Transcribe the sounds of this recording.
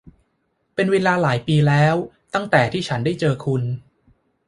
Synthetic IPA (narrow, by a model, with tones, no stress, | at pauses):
pe˧nweː˧laː˧laː˩˦jpiː˧lɛː˦˥wt̪a˥˩ŋt̪ɛː˨˩t̪ʰiː˥˩t͡ɕʰa˦˥ndaː˥˩jt͡ɕɤː˧kʰu˧n